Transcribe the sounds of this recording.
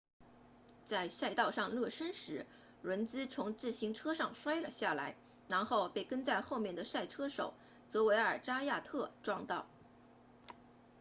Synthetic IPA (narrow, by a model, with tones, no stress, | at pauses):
t͡sa˥˧ɪsa˥˧ɪt̪ɑ˥˧ʊʂɑ˥˧ŋlɤ˥˩ʂə˥nʂɻ̩˧˥ | ɻə˧˥nt͡sɹ̩˥t͡sʰʊ˧˥ŋt͡sɹ̩˥˩ɕi˧˥ŋʈ͡ʂʰɤ˥ʂɑ˥˩ŋʂwa˥ɪlə˩ɕja˥˩la˧˥ɪ | na˧˥nxo˥˧ʊpe˥˩ɪkə˥nt͡sa˥˧ɪxo˥˧ʊmjɛ˥˩nd̪ə˩ʂa˥˩ɪʈ͡ʂʰɤ˥ʂo̰˨˩˦ʊ | t͡sɤ˧˥we˧˥ɪə˞˨˩ʈ͡ʂa˥ja˥˧t̪ʰɤ˥˩ʈ͡ʂwɑ˥˧ŋt̪ɑ˥˩ʊ